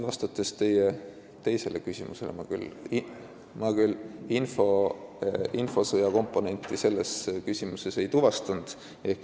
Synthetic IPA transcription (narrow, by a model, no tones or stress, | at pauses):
vɑst̪ɑt̪ːˑe̞st̪e̞je | t̪e̞jse̞lekysʲimṵse̞̰lḛmɑkyl | mɑkylinfo̞ | info̞sɤjɑko̞mpˑːo̞ne̞nt̪ːˑise̞lːe̞skysʲimuse̞se̞jt̪uvɑst̪ɑnd̪̥ | e̞hk